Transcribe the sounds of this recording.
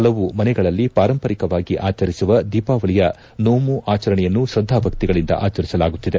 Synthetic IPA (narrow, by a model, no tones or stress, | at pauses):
ɐlɐʋumɐnɛɡɐɭɐlːipaːɾɐmpɐɾikɐʋaːɡiʔaːt͡ʃɐɾisuʋɐd̪iːpaːʋɐɭijɐ | noːmuʔaːt͡ʃɐɾɐɳɛjɐnːuʃɾɐd̪ʱːaːbʱɐk̚t̪iɡɐɭind̪ɐ̰ʔaːt͡ʃɐɾisɐlaːɡut̪ːid̪e